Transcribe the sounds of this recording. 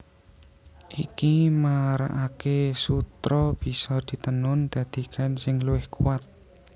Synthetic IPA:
ʔikimaɾa̰ʔakesut̪ɾɔb̥i̤sɔd̪̥i̤t̪ənʊnd̪̥ä̤d̪̥i̤kʰansɪŋluwɪhkuwat̪̚

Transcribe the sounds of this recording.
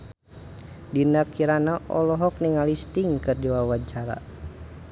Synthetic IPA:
dinakiɾanaʔɔlɔɦɔk̚niŋalist̪iŋkɨrdiwawaɲt͡ʃaɾa̰

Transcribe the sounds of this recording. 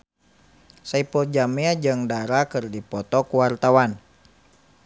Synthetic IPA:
saipɔrd͡ʒamɛad͡ʒɨŋdaɾakɨrdipɔt̪ɔkuwart̪awan

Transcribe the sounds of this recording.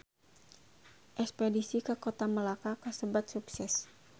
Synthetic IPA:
ʔɛkspedisikakot̪aməlakakasəbat̪̚suksɛs

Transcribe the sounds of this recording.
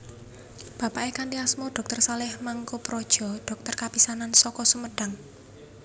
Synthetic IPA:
b̥a̤paʔekand̪iasmɔɖ̥ɔ̤k̚t̪ərsalɪhmaŋkopɾɔd̥ʒ̥ɔ̤ɖ̥ɔ̤k̚t̪ərkapisanansɔkɔsəməɖ̥a̤ŋ

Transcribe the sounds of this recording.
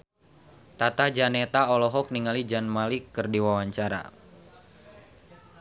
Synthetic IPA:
t̪at̪ad͡ʒanet̪aɔlɔɦɔk̚niŋalid͡ʒanmalikːɨrdiwawaɲt͡ʃaɾa̰

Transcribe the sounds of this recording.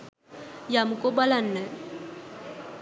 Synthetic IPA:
jamʊkʼɔbalan̩nɛ

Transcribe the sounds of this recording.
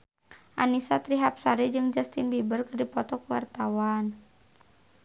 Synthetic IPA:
ʔanisat̪ɾiɦap̚saɾid͡ʒɨŋd͡ʒast̪inbibərkərdipɔt̪ɔkuwa̰rt̪awan

